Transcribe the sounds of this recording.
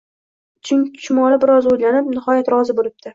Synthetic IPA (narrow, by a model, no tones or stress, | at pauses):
t͡ʃʰɪŋt̪ʰʊ̥t͡ʃmɒɾabɪɾɒzojlanɪpnɪχɒjat̪ɾɒzɪbolɪp̚d̪̥ʰɪ